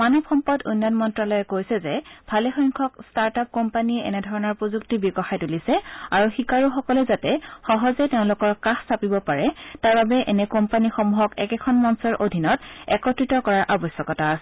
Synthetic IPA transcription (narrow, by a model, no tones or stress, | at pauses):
manɔbxɔmpɔdṵnːjɔnmɔntɹalɔjɛkojsɛzɛbʱalɛxɔjŋkʰɔkstaɹtap̚kɔmpaniɛʔɛ̰nɛdʱɔɹɔnɔɹpɹozuktibiɡɔxajtulisɛaɹuxikaɹuxɔkɔlɛzatɛxɔɦɔzɛteʊ̃lʊkɔɹkaxsapibɔpaɹɛtaɹbabɛʔɛnɛkɔmpanixɔmuɦɔkɛkɛkʰɔnmɔnsɔɹʔodʱinɔtɛ̰kɔtɹitɔkɔɹaɹʔabɔsjɔkɔtasɛ